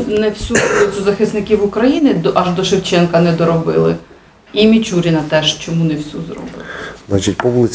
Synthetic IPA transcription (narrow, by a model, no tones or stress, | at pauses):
nɛwsʲuɔlˠɪt͡sʲʊzɐxɪsnɪkʲiwʊkɾɐjinɪd̪ʔɐʒd̪ɔʃɪwt͡ʃɛnkɐnɛd̪ɔɾɔbɪlˠɪ̰ | imʲit͡ʃuɾʲinɐt̪ɛʃt͡ʃɔmunɛwsʲuzrɔ̰bɪɪlznat͡ʃit̚ʲpɔwlˠɪ